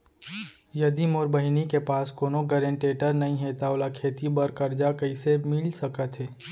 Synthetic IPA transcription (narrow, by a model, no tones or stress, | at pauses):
jɐd̪imoːɾbəɦɪnikepaːskoːnoɡəɾẽɳʈeːʈəɾnɐɦĩɦeːt̪aoːlakʰeːt̪ibɐɾkɐɾd͡ʒakɐisemɪlsɐkat̪ʰɦeː